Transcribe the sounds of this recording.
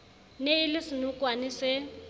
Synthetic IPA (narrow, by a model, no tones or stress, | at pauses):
neilɪsɪnukʼwanɪsɪ